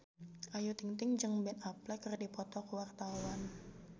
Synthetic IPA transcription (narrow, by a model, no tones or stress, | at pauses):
ʔajut̪iŋt̪ɪŋd͡ʒɨŋbɛnaplɛkərdipɔt̪ɔkəwart̪awan